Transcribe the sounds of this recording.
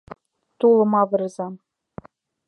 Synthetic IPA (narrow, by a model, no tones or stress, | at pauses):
t̪ulˠɤ̆mɑvɤ̆rzɑ